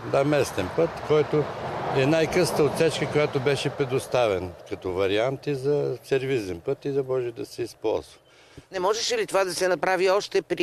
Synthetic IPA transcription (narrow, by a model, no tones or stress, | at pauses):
d̪amɛst̪ɛnpɤt̪kɔjt̪oɛnajkɤst̪əot̪sɛt͡ʃkəkojat̪obɛʃɛpɾɛd̪ost̪avɛnkɐt̪ɔvɐɾiant̪izɐsɛɾvizɛnpɤt̪izɐmɔʒɛd̪ɐsɛispɔ̰lˠzvə | nɛmɔʒɛʃɛlit̪ovad̪ɐsɛnɐpɾaviɔʃt̪ɛpɾi